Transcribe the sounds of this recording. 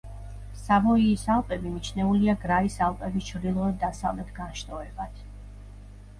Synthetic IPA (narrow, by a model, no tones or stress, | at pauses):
samɔiːsalˠpʼɛbimit͡ʃʰnɛuliaɡɾaisalˠpʼɛbist͡ʃʰvɾd̪ilˠɔɛd̪asavlɛt̪ʰɡanʃt̪ʼɔɛbat̪ʰ